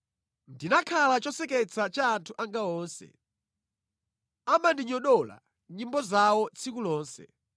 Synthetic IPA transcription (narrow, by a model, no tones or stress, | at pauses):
ndinakʰalat͡ʃɔsɛkɛt͡sʰat͡ʃaːntʰuʔaŋɡaɔːnsɛ̰ | amandiɲɔɗɔla̰ | ɲimbɔzawɔt͡sʰikulɔːnsɛ̰